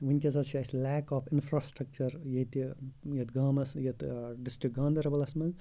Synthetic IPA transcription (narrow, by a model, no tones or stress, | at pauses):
ʋinʲkʲɐzɐt̪t͡ʃʰiɐslɛːkɔːfɪnfɾaːsʈɾɐk̚t͡ʃɐɾjɐit̪ijɐt̪ɡaːmɐsjɐt̪ɖɪsʈɾik̚ɡaːnd̪ɐɾɐbɐlɐsmɐz